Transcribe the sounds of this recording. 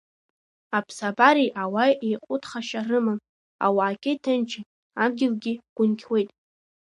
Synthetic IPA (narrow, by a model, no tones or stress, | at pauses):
apʰsabaɾiʔawajejqʼʊtʰχaʃarɨmɨn | a̰waːkʲʼɪtʰɨnt͡ʃʰi | amɡʲɪlɡʲɪɡ̥ʷʊnkʲʰwe̞jtʼ